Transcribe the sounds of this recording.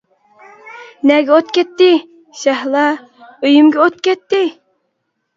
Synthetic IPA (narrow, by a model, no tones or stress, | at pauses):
nɛɡʲɛot̪kʲɛt̪ːɪ | ʃɛhlˠɑ | øjymɡʲɛot̪̚kʲɛt̪ːɪ